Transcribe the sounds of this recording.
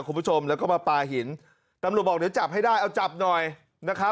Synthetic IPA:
ku˧mpʰu˥˩t͡ɕʰo˧mlɛ˦˥wkɔ˥˩maː˧paː˧ɦi˩˦n | t̪a˧mɾt̪̚bɔ˨˩k̚di˩˦wt͡ɕa˨˩p̚ha˥˩jdaː˥˩jʔa˧wt͡ɕa˨˩p̚nɔ˨˩j | na˦˥kʰa˦˥

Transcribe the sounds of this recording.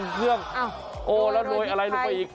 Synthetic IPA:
n˧kʰɯ˥˩əŋ | ʔoː˧˩lɛ˦˥˩loː˧˦jʔa˧la˧jlo˦˧˦pa˧jʔiː˨˩k̚

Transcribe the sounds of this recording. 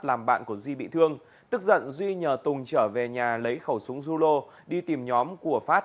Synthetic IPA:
laː˨˩mɓa̰ː˧˨nku˧˩əzwi˧ɓḭ˧˨t̪ʰɨ˧əŋ | t̪ɨ˦˥k̚zə̰˧˨nzwi˧ɲəː˨˩t̪ʊ˨˩ŋ͡mt͡ɕəː˧˩ve˨˩ɲaː˨˩lə˨˦jxə˧˩wsʊ˨˦ŋzu˧lo˧ | ɗi˧t̪i˨˩mɲɔ˨˦mku˧˩əfaː˦˥t̚

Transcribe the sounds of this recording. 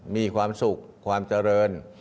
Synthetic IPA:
miː˧kʰwaː˧msu˨˩k̚ʰwaː˧mt͡ɕa˧ɾɤː˧n

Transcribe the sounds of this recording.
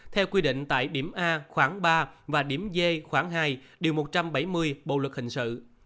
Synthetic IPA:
t̪ʰɛ˧wkwi˧ɗḭ̈˧˨ŋ̟t̪a̰ː˧˨jɗi˧˩əmʔaː˧xwaː˧˥ŋɓaː˧vaː˨˩ɗi˧˩əmze˧xwaː˧˥ŋɦaː˧jɗi˨˩əwmo˨˩t̚t͡ɕa˧mɓa˧˦jmɨ˧əjɓo̰˧˨lwə˨˩k̚hï˨˩ŋ̟sɨ̰˧˨

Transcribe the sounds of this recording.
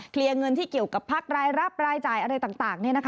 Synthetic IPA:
kʰli˧əŋɤ˧nt̪ʰiː˥˩ki˨˩əwka˨˩pʰːaː˥˩k̚ɾaː˧jɾa˦˥˩p̚ɾaː˧jt͡ɕaː˨˩jʔa˧ɾa˧jt̪aː˨˩ŋt̪aː˨˩ŋni˥˩ɐna˦˥kʰ

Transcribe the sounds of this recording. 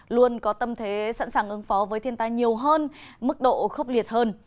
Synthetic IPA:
lu˧ənkɔ˨˦t̪ə˧mt̪ʰe˨˦sa̰˧˥nsaː˨˩ŋʔɨ˨˦ŋfɔ˨˦vəː˨˦jt̪ʰi˧ənt̪aː˧jɲi˨˩əwɦəː˧nmɨ˦˥k̚ɗo̰˧˨xə˦˥wk͡p̚li˨˩ət̚həː˧n

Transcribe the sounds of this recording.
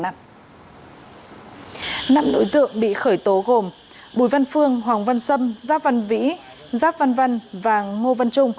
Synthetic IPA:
na̰ː˧˨m | na̰ː˧˨mno̰˧˥jt̪ɨ̰˧˨əŋɓḭ˧˨xəː˧˩jt̪o˨˦ɣo˨˩m | ɓu˧˩jva˧nfɨ˧əŋɦwaː˨˩ŋva˧nsə˧mzaː˦˥p̚va˧nvḭ˧˥ | zaː˦˥p̚va˧nva˧nvaː˨˩ŋŋo˧va˧nt͡ɕʊ˧ŋ͡m

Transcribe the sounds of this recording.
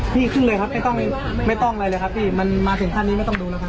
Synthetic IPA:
pʰiː˥˩kʰɯ˥˩lɤː˧jkʰa˦˥p̚ma˥˩jt̪ɔ˥˩ŋm˥˩ | ma˥˩jt̪ɔ˥˩ŋʔala˧jlɤː˧jkʰa˦˥p̚ːʰiː˥˩ma˧nmaː˧t̪ʰɯ˩˦t̪ʰaː˥˩nːiː˦ma˥˩jt̪ɔ˥˩duː˧lɛ˦˥wkʰa˦˥

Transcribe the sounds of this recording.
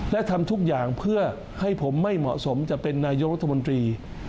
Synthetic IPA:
lɛ˦˥ʔt̪ʰa˧mt̪ʰu˦˥k̚jaː˨˩ŋpʰɯ˥˩ɐ | ha˥˩jpʰo˩˦mːa˥˩jmɔ̰˨˩ʔso˩˦mt͡ɕa˨˩pe˧nːaː˧jo˦˥k̚ɾa˥t̪ʰːa˧mo˧nt̪ɾiː˧

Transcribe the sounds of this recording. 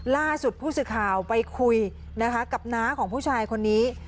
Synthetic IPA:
laː˥˩su˨˩t̪̚pʰuː˥˩sɯː˨˩kʰaː˨˩wpa˧jkʰu˧j | na˦˥kʰa˦˥ka˨˩p̚naː˦˥mkʰɔː˩˦ŋpʰuː˥˩t͡ɕʰaː˧jkʰo˧nːiː˦˥

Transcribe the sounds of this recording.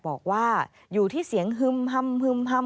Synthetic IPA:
bɔː˨˩k̚waː˥˩ | juː˨˩t̪ʰiː˥˩si˨˩˦əŋɦɯ˧˩mha˧˩mhɯ˧˩mɦa˧˩

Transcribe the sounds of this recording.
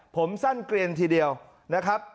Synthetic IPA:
pʰo˩˦msa˥˩nkli˧ənt̪ʰiː˧di˧əw | na˦˥kʰa˦˥p̚

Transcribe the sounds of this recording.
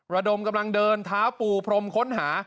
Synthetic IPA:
ɾa˧do˧mka˧mla˧ŋdɤː˧nt̪ʰaː˦˥wpuː˧pʰɾo˧mkʰo˦˥nɦaː˩˦

